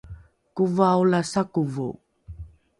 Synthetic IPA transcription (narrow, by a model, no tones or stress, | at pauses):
kuvaulasakuvṵ